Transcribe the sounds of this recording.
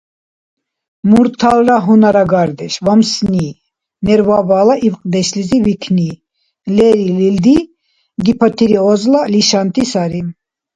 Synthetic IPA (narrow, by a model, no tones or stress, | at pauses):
muɾt̪ʰalɾaɦunaɾaɡaɾd̪ɛʃvamsni | nɛɾvabaːlaʔivqʼd̪ɛʃlizivikʰni | lɛɾilild̪i | ɡ̪ipʰat̪ʰiɾiɔzlaliʃant̪ʼisaɾim